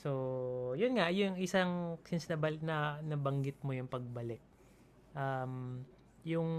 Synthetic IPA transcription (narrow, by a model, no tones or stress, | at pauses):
sojʊnŋajʊŋɪsaŋsɪnsnɐbɐlnɐnɐbɐŋɡɪt̪̚mo̞jʊŋpɐɡ̚bɐlɪk̚ | ʔam | jʊŋ